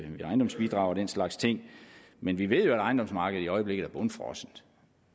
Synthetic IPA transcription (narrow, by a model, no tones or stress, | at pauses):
ʋiɑ̈ɪnd̥ɒ̽msb̥id̥ʁɑ̈ʊɐd̥en̰slɑ̈ɡ̥st͡sʰe̝ŋ̰ | menʋiʋe̝ð̞̰ˠjo̝æɾɑ̈ɪnd̥ɒ̽msmɑ̈ːɡ̥əð̩ˠiɒ̽ɪəble̝ɡð̩ˠæɐb̥ɔ̽nəfʁɒsn̩̥